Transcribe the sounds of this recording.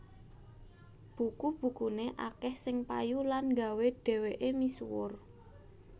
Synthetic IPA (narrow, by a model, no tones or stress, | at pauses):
b̥ukub̥ṳkuneʔakɛhsɪŋpa̰julanŋɡa̤weɖ̥ɛ̤weʔemisuwʊ̰r